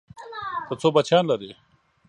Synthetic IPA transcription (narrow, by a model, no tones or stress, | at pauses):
t̪ət͡sʰobɐt͡ɕʰaːnlɐɾe